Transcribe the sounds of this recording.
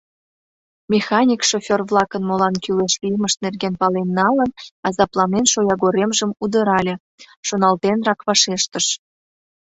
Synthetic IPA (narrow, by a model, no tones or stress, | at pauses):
mʲexɑnʲikʃofʲorβlɑkənmolɑnkyleʃlʲijməʃt̪̚nerɣenpɑlenːɑlənɑzɑplˠɑmenʃojɑɣoɾemʒəmud̪əɾɑlʲe | ʃonɑlt̪enrɑkβɑʃeʃt̪əʃ